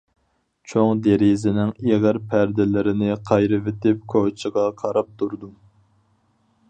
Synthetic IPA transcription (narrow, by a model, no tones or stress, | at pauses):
t͡ʃʰoŋd̪eɾizɪnɪŋeʁɪɾpʰæɾd̪ɪlɪɾɪnɪqʰɑjɾɨvɪt̪ɪp̚kʰot͡ʃʰəʁɑqʰɑɾɑp̚t̪ʰuɾd̪u